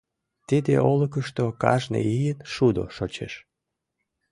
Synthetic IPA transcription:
t̪id̪ḛolək̬əʃt̪okɑ̰ʒnḛijənʃud̪o̰ʃot͡ɕeʃ

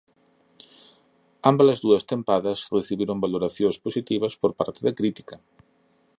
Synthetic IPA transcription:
ambɐɐzðuɐst̪empaðɐsreθiβiɾoŋbaloɾaθjosposit̪iβɐspoɾpa̰ɾt̪ɪðɐkɾit̪i̥kɐ

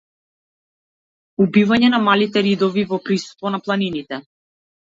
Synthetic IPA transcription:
ubivaɲɛnamalit̪ɛɾid̪ɔvivɔpɾisu̥st̪vɔnaplˠaninit̪ɛ

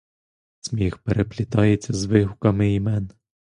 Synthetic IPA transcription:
sʲmʲixpeɾeplʲɪt̪ɑjet͡sʲːɐzʋɪɦʊkɐmɪimɛn

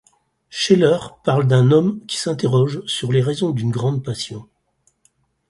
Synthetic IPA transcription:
ʃelœʁpaʁld̪ɛ̃nɔmkʲi̥sɛ̃t̪eʁɔʒsyʁleʁezɔ̃d̪ynɡʁɑ̃d̪̚pasjɔ̃

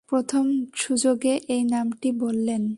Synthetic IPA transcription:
pɾot̪ʰomʃud͡ʑoɡeʔejnamʈibolːen

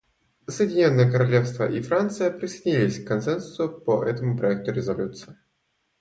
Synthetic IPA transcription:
səjɪdʲɪnʲo̞nːəjəkəɾɐlʲefst̪vəʔifɾant̪sɨjəpɾʲɪsəjdʲɪnʲilʲɪsʲkkːɐnsɛnsʊ̥sʊpəʔɛt̪əmʊpɾɐɛk̚t̪ʊɾʲɪzɐlʲut̪sɨɪ

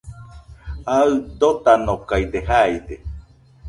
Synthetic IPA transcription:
aɨd̪ot̪anokajd̪eɦajd̪e

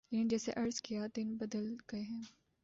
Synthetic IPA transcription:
jeɪ̃nd͡ʒɛːsḛʔɐɾzkijad̪ɪnbɐd̪əlɡɐeɦɛ̃ː

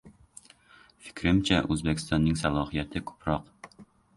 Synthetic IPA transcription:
fi̥kɾɘmt͡ɕæʔʉzbækɪ̥st̪ɑnːɘŋsɑlˠɑhijæt̪ɘkʉ̥pɾɑq

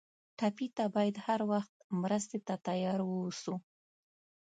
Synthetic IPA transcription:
ʈapit̪abɑjad̪haɾwaxt̪̚mɾəst̪et̪at̪ajɑɾwəwsu

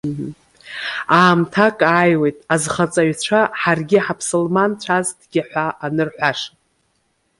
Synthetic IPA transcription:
m̩ | aːmtʰakʼaːjwe̞jtʼazχat͡sʼaɥt͡ɕʷʰaħarɡʲɪħapʰsolmant͡ɕʷʰazdɡʲɪħʷaʔanɨrħʷaʂ

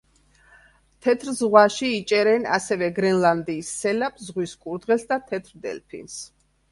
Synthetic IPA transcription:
t̪ʰɛt̪ʰɾzʁwaʃiːt͡ʃʼɛɾɛna̰sɛvɛɡɾɛnlˠand̪iːsːɛlapʰzʁwiskʼuɾd̪ʁɛlˠsd̪at̪ʰɛt̪ʰɾd̪ɛ̰lpʰḭns

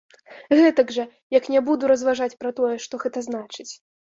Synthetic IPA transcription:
ɣɛt̪ɐɡʐɐ | jɐknʲɛbud̪uɾɐzvaʐat͡sʲpɾɐt̪ɔjɛʂt̪ɔɣɛt̪ɐznat͡ʂɨt͡sʲ

